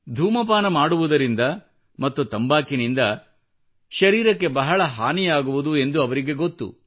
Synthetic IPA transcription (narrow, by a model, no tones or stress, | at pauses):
d̪ʱuːmɐpaːnɐmaːɽuʋud̪ɐɾind̪ɐ | mɐt̪ːut̪ɐmbaːkinind̪ɐ | ʃɐɾiːɾɐkːe̞bɐɦɐɭɐɦaːnijaːɡuʋud̪ue̞nd̪uɐʋɐɾiɡe̞ɡo̞t̪ːṵ